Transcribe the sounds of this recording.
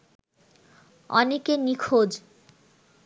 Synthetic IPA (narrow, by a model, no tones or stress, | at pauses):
ɔ̰nekenikʰod͡ʑ